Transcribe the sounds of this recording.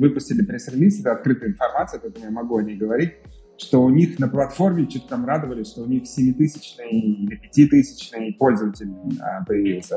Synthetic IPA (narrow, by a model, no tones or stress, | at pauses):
vɨpʊsʲtʲɪlʲɪpɾʲesɾʲɪlʲist̪ɛt̪əɐt̪̚kɾɨt̪ɨjɪnfɐrmat̪sɨːɐpɐɛt̪əmʊjamɐɡuɐnʲejɡəvɐɾʲit̚ʲ | ʂt̪o̞ʊnʲixnəplˠɐt̪fo̞rmʲɪt͡ɕut̪̚kamrad̪əvəlʲɪsʲʂt̪oʊnʲixsʲɪmʲit̪ɨsʲɪ̥t͡ɕnɨjənɪpʲɪtʲit̪ɨsʲɪ̥t͡ɕnɨjpo̞lʲzəvətʲɪlʲnɨə̰pəjɪvʲilˠsʲə